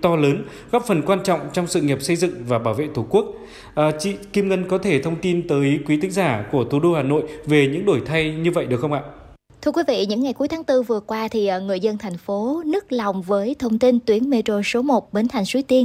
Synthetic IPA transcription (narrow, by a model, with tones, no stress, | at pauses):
t̪ɔ˧ləː˨˦n | ɣa˦˥p̚fə˨˩nkwaː˧nt͡ɕɔ̰˧˨wŋ͡mt͡ɕɔ˧wŋ͡msɨ̰˧˨ŋi˨˩p̚sə˧jzɨ̰˧˨ŋvaː˨˩ɓaː˧˩wvḛ˧˨t̪ʰu˧˩ku˦˥ək̚ | ʔəː˨˩t͡ɕḭ˧˨ki˧mŋə˧nkɔ˨˦t̪ʰe˧˩t̪ʰə˧wŋ͡mt̪i˧nt̪əː˨˦jkwi˨˦t̪ʰï˨˦ŋzaː˧˩ku˧˩ət̪ʰu˨˩ɗo˧haː˨˩no̰˧˨jve˨˩ɲɨ̰˧˥ŋɗo˧˩jt̪ʰa˧jɲɨ˧və̰˧˨jɗɨ˨˩ək̚xə˧wŋ͡mʔa̰ː˧˨ | t̪ʰɨ˧əkwi˨˦vḭ˧˨ɲɨ̰˧˥ŋːa˨˩jku˨˦əjt̪ʰːŋt̪ɨ˧vɨ˨˩əkwaː˧t̪ʰi˨˩ʔəː˨˩ŋɨ̰˨˧˩əjzə˧nt̪ʰa˨˩jŋ̟fo˨˦nɨ˦˥ək̚la˨˩wŋ͡mvəː˨˦jt̪ʰə˧wŋ͡mt̪i˧nt̪wi˨˦ənme˧t̪o˧so˨˦mo˨˩t̚ɓe˨˦nt̪ʰa˨˩jŋ̟su˨˦t̪i˧ən